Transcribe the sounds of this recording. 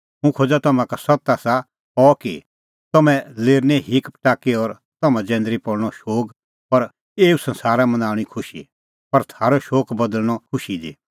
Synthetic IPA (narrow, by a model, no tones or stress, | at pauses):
ɦũkʰod͡ʒat̪ɐmãkasɐt̪asa | kɔki | t̪ɐmɛ̃leːɾnɛ̃ɦɪkpʈaːkiɔːɾ | t̪ɐmɛ̃d͡zɛ̃ːnd̪ɾipɔɽɽ̃ɔʃoːk | pɐɾ | eːusɐ̃nsaːɾamɐ̃naːɽ̃ikʰʊʃi | pɐɾt̪ʰaːɾɔʃoːkbɐd̪əlñɔkʰʊʃidḭː